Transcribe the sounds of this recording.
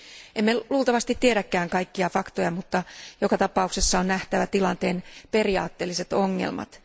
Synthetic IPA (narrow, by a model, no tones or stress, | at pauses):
ʔemːeluːlt̪ɑʋɑst̪it̪ːieɾækːæːŋkɑjkːiɑfɑkt̪o̞jɑmut̪ːɑjo̞kɑt̪ɑpɑukse̞sːɑo̞nnæht̪æʋæt̪ilɑnt̪e̞ːnpe̞riɑ̰ːt̪ːe̞ːlːise̞t̪oŋːḛlmɑ̰t̪